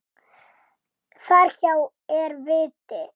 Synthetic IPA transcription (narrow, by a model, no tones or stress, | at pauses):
θaɾ̥çaw | ɛɾvɪːt̪ɪ